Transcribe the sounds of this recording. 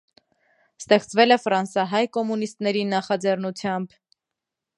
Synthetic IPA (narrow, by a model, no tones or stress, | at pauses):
st̪ɛχt͡svɛlɛfɾɑnsɑɦɑjkɔmunist̪nɛɾinɑχɑd͡zɛrnut͡sʰjɑmb